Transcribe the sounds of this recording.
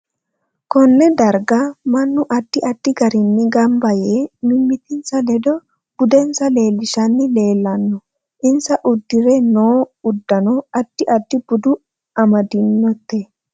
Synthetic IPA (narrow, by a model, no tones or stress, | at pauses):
kɔnːɛd̪ɐɾɡɐmɐnːʊʔɐd̪̥ːɪʔɐd̪̥ːɪɡɐɾɪnːɪɡɐmbɐjeːmɪmːɪt̪ɪnsɐlɛd̪ɔ | b̥ʊd̪ɛnsɐle̞ːlːɪʃɐnːɪle̞ːlːɐnːɔ | ʔɪnsɐʔʊd̪ːɪɾɛnoːʊd̪ːɐnɔɐt̪ːɪʔɐd̪ːɪb̥ʊd̪ʊ | ʔɐmɐd̪ɪnːɔt̪ːe